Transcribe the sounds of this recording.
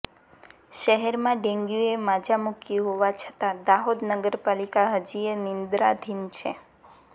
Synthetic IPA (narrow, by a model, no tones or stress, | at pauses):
ʃəɦɛɾmãɖẽŋɡjuemad͡ʒamukiɦoʋat͡ʃʰə̥t̪ad̪aɦod̪nəɡəɾpalikaɦəd͡ʒienɪnd̪ɾad̪ʱint͡ʃʰe